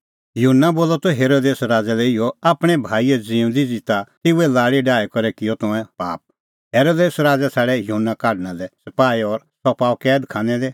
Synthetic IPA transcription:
juɦʊnːaboːlɔt̪ɔɦeːɾoːd̪eːsɾaːd͡zalɛɪjɔaːpɽ̃ɛbʱaːiɛd͡ziːʊ̃nd̪id͡zɪt̪at̪ɪuɛlaːɽiɖaːɛkɔɾɛkɪjɔt̪ɔɛ̃pa̰ːp̚ | ɦeːɾoːd̪eːsɾaːd͡zat͡sʰaːɽɛjuɦʊnːakaːɖñalɛsɐpaːiɔɾ | sɔpaːokɛːd̪kʰãːnɛle

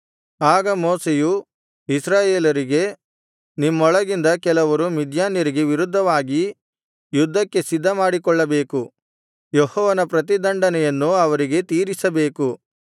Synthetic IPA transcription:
aːɡɐmɔːseju | isɾaːjeːlɐɾiɡe̞ | nimːɔɭɐɡind̪ɐkɛlɐʋɐɾumid̪jaːnjɐɾiɡeʋiɾud̪ʱːɐʋaːɡi | jud̪ʱːɐkːe̞sid̪ːɐmaːɽikɔɭːɐbeːku | jehɔːʋɐnɐpɾɐt̪̬id̪ɐɳɖɐnɛjɐnːuɐʋɐɾiɡe̞t̪iːɾisɐbe̞ːku

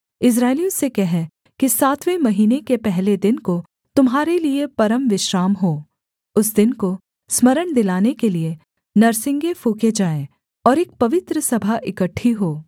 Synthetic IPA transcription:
ɪs̬ɾaːɪlijõsekɛɦɛ | kisaːt̪ʰʋemɐɦiːnekepɛɦled̪ɪnko | t̪ʊmɦaːɾeliepɐɾəmʋɪʃɾaːmɦoː | ʊsd̪ɪnko | smɐɾəɽ̃d̪ɪlaːnekelie | nɐɾsɪ̃ŋɡefuːked͡ʒaːẽ | ɔːɾeːk̚pɐʋɪt̪ɾəsɐbʱaʔɪkəʈʰːiɦoː

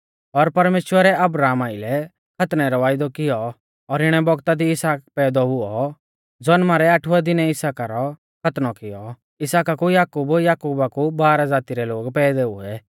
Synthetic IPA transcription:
ɔɾpɐɾmeːʃwəɾɛɐbɾaːmaɪlɛ | kʰɐt̪nɛɾɔʋaːɪd̪ɔkɪjɔ | ɔɾɪɽ̃ɛbɔɡt̪ad̪iɪsaːkpɛːd̪ɔɦʊɔ | d͡zɔnmaɾɛaʈʰʊɛd̪ɪnɛɪsaːkaɾɔ | kʰɐt̪nɔkɪjɔ | ɪsaːkakujaːkuːbjaːkuːbakubaːɾad͡zaːt̪iɾɛloːɡpɛːd̪ɛṵɛ

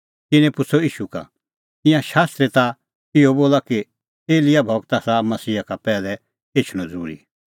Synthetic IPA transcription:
ɪñɛ̃pʊt͡sʰoiːʃuka̰ | t̪ɪ̃jãʃaːst̪ɾet̪a | ɪɔboːlaki | eːlɪjabʱɔɡt̪asamɐsiːakapɛːlɛ | et͡ʃʰɽ̃ɔ̃d͡zuːɾḭ

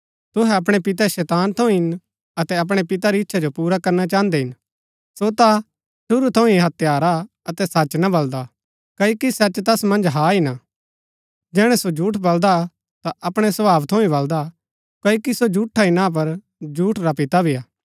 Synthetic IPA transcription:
t̪ʊɦɛɐp̬ɽ̃epɪt̪̬ɛʃɛːt̪aːnt̪ʰɐ̃ũɦɪn | ɐt̪ɛɐp̬ɽ̃epɪt̪̬aɾiɪtːʃʰad͡ʒopuːɾakɐɾnat͡ʃãːnd̪eɦɪn | sot̪a | ʃʊɾut̪ʰɐ̃ũiɦɐt̪jaːɾa | ɐt̪ɛsɐt͡ʃnɐbɐld̪a | kɐokisɐt͡ʃt̪ɐsmɐ̃nd͡ʒɦaːina | d͡ʒɛːɽ̃ɛsod͡ʒʱuːʈʰbɐld̪a | t̪aʔɐpɽ̃ɛsɐbaːʋt̪ʰɐ̃ũĩbɐld̪a | kɐjkisod͡ʒuːʈʰːainãːp̬ɐɾ | d͡ʒuːʈʰɾapɪt̪abʱiaː

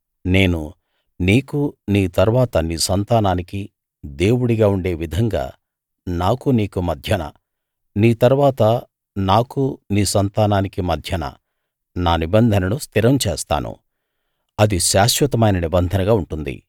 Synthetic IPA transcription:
ne̞ːnu | niːkuniːt̪ɐɾʋaːt̪ɐniːsɐnt̪aːnaːniki | d̪e̞ːwuɽiɡaːuɳɖe̞ːʋid̪ʱɐŋɡa̰ː | naːkuniːkumɐd̪ʱjɐnɐ̰ | niːt̪ɐɾʋaːt̪ɐ | naːkuniːsɐnt̪aːnaːnikimɐd̪ʱjɐnɐ̰ | naːnibɐnd̪ʱɐnɐnust̪iɾɐmt͡ʃeːst̪a̰ːnṵ | ɐd̪iʃaːʃʋɐt̪ɐmɐjnɐnibɐnd̪ʱɐnɐɡaːuɳʈund̪ḭ

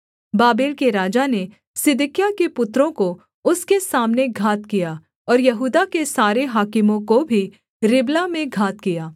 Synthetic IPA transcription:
baːbeːlkeɾaːd͡ʒane | sɪd̪ɪkjakepʊt̪ːɾõko | ʊskesaːmneɡʱaːt̪kijaː | ɔːɾjɐɦuːd̪akesaːɾeɦaːkɪmõkobʱi | ɾɪblamẽɡʱaːt̪kijaː

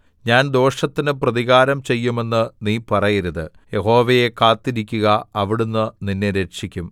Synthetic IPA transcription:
ɲaːnd̪o̞ːʂɐt̪ːinɨprɐðiɣaːɾɐmt͡ɕe̞jːume̞nːɨniːpɐrɐjɐɾuðɨ | je̞ɦo̞ːʋɐje̞kaːt̪ːiɾikʲːuɣɐɐʋiɽunːɨninːeɾe̞ʂikʲːum

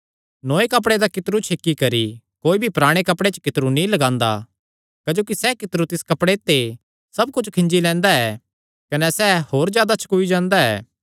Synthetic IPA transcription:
nõːekɐp̬ɽed̪akɪt̪ɾut͡ʃʰekːikɐɾi | koːibʱipɾaːɽ̃ekɐpɽet͡ʃkɪt̪ɾunĩlɐɡãːnd̪a̰ | kɐd͡ʒoːkisɛkɪt̪ɾut̪ɪskɐpɽet̪e | sɐbkʊt͡ʃʰkʰɪ̃nd͡ʒilɛ̃ːnd̪aɛː | kɐnɛsɛhoːɾzjaːd̪at͡ʃʰɐ̥kuːid͡ʒãːnd̪aɛ̰ː

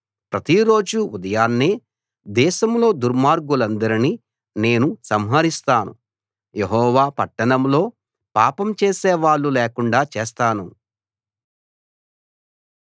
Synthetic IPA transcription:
pɾɐt̪iɾo̞ːd͡ʒuud̪ɐjaːnːeː | d̪ɛːʃɐmlo̞ːd̪uɾmaːɾɡulɐnd̪ɐɾini | ne̞ːnusɐmɦɐɾist̪aːnṵ | jeɦɔːʋaːpɐʈːɐɳɐmlo̞ː | paːpɐmt͡ʃeːseːʋaːɭːuleːkuɳɖaːt͡ʃeːst̪aːnu

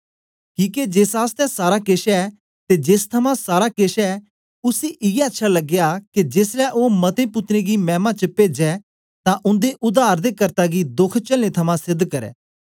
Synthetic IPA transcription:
kiːked͡ʒeːsaːst̪ɛsaːɾakeʃɛ | t̪ed͡ʒeːst̪ʰɐmãsaːɾakeʃɛ | ʊsiʔɪːɛətːʃʰalɐɡjaked͡ʒeːslɛʔoːmɐt̪ẽpʊt̪ɾeɡimɛ̃ːmãt͡ʃəpeːd͡ʒɛ | t̪ãʔʊ̃nd̪eʔʊd̪aːɾd̪ekɐɾt̪aɡid̪ʊkʰt͡ʃɐlnẽt̪ʰɐmãsɪd̪ːkɐɾɛ̰ː

